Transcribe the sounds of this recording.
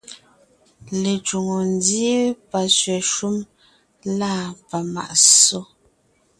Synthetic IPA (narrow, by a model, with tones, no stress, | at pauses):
le˨t͡ʃu˨ŋo˨n˦dje˦pa˨sɥɛ˨ʃu˦m | laː˦˨pa˨ma̰˨ʔso˦